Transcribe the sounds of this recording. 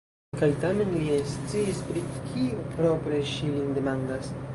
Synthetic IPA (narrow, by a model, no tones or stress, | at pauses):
kajtame̞nliest͡siːspɾikʰiopɾo̞pɾe̞ʃilinde̞mandas